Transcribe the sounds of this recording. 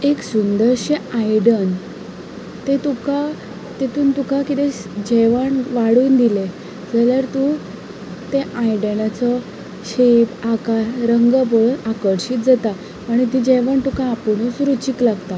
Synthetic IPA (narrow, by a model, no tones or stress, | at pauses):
eksund̪əɾɕeajɽən | t̪et̪uka | t̪et̪uːnt̪ukakit̪ẽd͡ʑɛʋəɳʋaɽuːnd̪ile | d͡zəljaɾt̪u | t̪eʔajɽəlat͡sɔ | ɕepakasɾəŋɡəp̬əɭunakəɽɕiːt̪̚d͡zat̪a | aɽ̃it̪id͡ʑeʋəɳt̪ukãːpuɽusɾut͡ɕiklaɡt̪a